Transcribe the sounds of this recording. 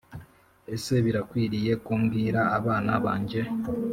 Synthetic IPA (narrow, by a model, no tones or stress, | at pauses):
e̞se̞βiɾakwiːɾije̞kuːmɡiːɾaːβaːna̰βa̰ːɲɟe̞